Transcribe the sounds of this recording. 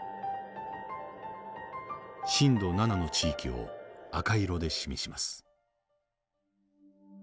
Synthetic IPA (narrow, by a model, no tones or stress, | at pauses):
ɕĩnd̪o̞nanano̞t͡ɕiːkʲio̞̰akaiɾo̞d̪e̞ɕimʲiɕimasɨ̥